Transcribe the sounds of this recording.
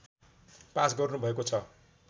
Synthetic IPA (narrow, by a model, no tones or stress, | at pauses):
pasɡʌrnubʱʌekot͡sʰʌ